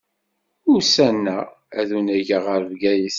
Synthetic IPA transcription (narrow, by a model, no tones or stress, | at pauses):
ʊɾsænːæ | æðunæʝəʁəɾvɡæjiθ